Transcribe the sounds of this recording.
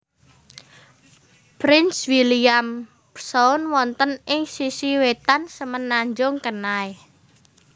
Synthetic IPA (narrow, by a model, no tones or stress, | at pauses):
pɾɪnswiliam | psɔʊnwɔnt̪ənɪŋsisiwet̪ansəmənːaɲd͡ʒʊŋkənae